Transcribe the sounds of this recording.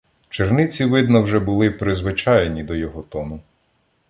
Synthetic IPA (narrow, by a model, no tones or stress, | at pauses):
t͡ʃernɪt͡sʲiʋɪd̪nɔwʒɛbʊlˠɪpɾɪzʋɪt͡ʃɑjenʲid̪ɔjɔɦɔt̪ɔnʊ